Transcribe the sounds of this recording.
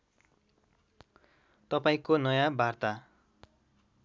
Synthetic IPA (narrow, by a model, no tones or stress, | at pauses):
t̪ʌpaĩkonʌjabʱart̪a